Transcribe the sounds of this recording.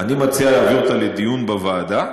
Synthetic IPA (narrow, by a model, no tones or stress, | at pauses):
animat͡sialeaviʁt̪aled̪ijunbavaːd̪a